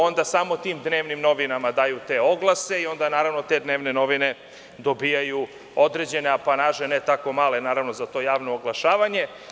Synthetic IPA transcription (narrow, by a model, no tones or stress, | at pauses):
o̞nd̪asaːmot̪iːmd̪ne̞ːʋnimno̞ʋinamad̪aːjut̪e̞o̞ɡlˠase̞io̞nd̪anaːɾaʋno̞t̪e̞d̪ne̞ːʋne̞no̞ʋine̞ | d̪o̞biːjaju | od̪ɾed͡ʑe̞ne̞apanaːʒenet̪ako̞maːle̞naːɾaʋno̞zat̪o̞ːjaːʋnoːɡlˠaʃaːʋaɲe̞